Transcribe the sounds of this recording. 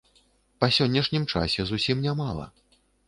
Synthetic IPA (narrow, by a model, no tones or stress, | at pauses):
pɐsʲɔnʲːɛʂnʲimt͡ʂa̰sʲɛzusʲimnʲamalˠɐ̰